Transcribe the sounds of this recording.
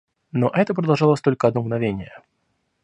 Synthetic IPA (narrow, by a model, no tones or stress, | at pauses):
noʔɛt̪əp̬ɾəd̪ɐlˠʐɑlˠosʲt̪o̞lʲkəɐd̪nomɡnɐvʲenʲɪjə